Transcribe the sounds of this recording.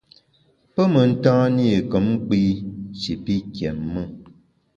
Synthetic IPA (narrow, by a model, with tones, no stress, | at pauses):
pə˦mə˨n̩˦tã˦ni˦˨kə˨˦m˦k͡piː˦t͡ʃi˨pi˦kɛ˨mːə˦˨